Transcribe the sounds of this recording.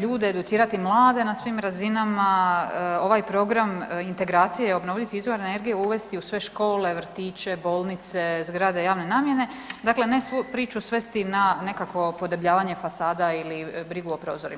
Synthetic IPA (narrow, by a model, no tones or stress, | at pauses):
ʎuːd̪eːd̪ut̪siːɾat̪imlˠaːd̪e̞nasʋimɾazinama | o̞ʋajpɾo̞ɡɾamint̪e̞ɡɾaːt̪sijejo̞bno̞ʋʎikizʋoɾene̞ɾɡijeuʋe̞st̪iusʋe̞ʃko̞ːle̞ʋɾ̩t̪iːt͡ʃe̞bo̞ːlˠnit̪se̞zɡɾad̪e̞jaːʋne̞naːmje̞ne̞ | d̪akle̞nesupɾiːt͡ʃusʋe̞st̪inane̞kako̞po̞d̪ebʎaːʋaɲe̞fasaːd̪ailibɾiɡuopɾo̞ːzo̞ɾḭ